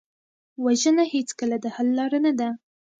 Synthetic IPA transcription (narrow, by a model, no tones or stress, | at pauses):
waʒənahet͡skəlad̪əhalːɑɾənad̪a